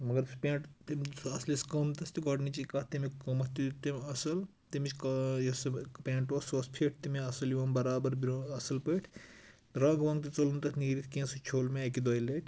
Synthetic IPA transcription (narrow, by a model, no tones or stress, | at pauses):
mɐɡɐɾspʲẽːɳʈt̪imɐsliskɐmt̪ɐst̪iɡɐʈnit͡ʃikɐt̪imekɐmɐt̪it̪imɐsɐl | t̪imit͡ʃʰkjespẽːɳʈosɐspʰeʈ̚ʰt̪imeɐsɐliʋɐːmbɐɾaːbɐɾbiɾoɐsɐlpɐjʈʰ | ɾɐɡʋɐ̃ŋɡt̪it͡sɐlunt̪ɐt̪ʰniːɾit̪ʰkẽːsɐt͡ʃʰoːlmeɐkid̪ojlɐʈʰ